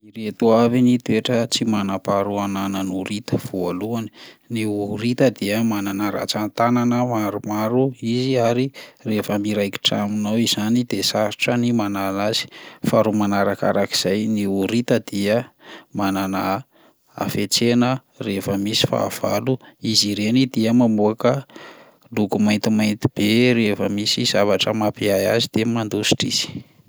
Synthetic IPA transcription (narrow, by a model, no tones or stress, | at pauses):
iɾet̪uavinit̪ueʈ͡ʂət͡simanapaɾuananənuɾit̪əv̥ualuanniuɾit̪əd̪iəmananaɾa̰t͡sant̪ananəmaɾumaɾuiziaɾirefəmiɾajki̥ʈ͡ʂa̰minawizanid̪esaɾiʈ͡ʂənimanalazi̥faɾumanaɾaka̰ɾaki̥z̥ajniuɾit̪əd̪iəmanana | a̰fet͡senə | refəmisi̥fa̰ːv̥a̰luiziɾenid̪iəmamuakə | luɡumajnt̪imajnt̪i̥b̥eɾefəmisiz̥avaʈ͡ʂəmapeajazid̪̥emand̪usi̥ʈ͡ʂiz̥i̥